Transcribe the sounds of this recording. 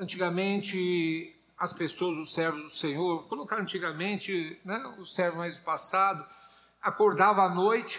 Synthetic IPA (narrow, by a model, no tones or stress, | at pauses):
ɐ̃nt͡ʃiɡɐmẽnt͡ʃɪ | ɐspesoɐzʊsɛɾvʊzd̪ʊsẽɲoɾkolokaɾɐ̃nt͡ʃiɡɐmẽnt͡ʃɪnɛʊsɛɾvʊmajzd̪ʊpasad̪ʊ | akoɾd̪avɐanojt͡ʃɪ̥